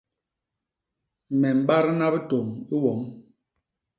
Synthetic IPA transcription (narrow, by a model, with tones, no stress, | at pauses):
mɛ˨m̩˨ɓa˦ɾna˦bi˦to˨ŋi˦wɔ˨˦ŋ